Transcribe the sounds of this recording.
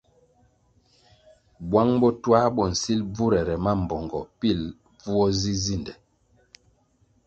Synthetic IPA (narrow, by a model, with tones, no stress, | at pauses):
bwa˦ŋbɔ˦twa˦bɔ˨n̩˨si˦lb͡vu˦ɾɛ˨ɾɛ˨ma˦m̩˨bɔ˨ŋɡɔ˨pi˦˨l | b͡vu˦ɔ˦zi˦zi˦˨ndɛ˨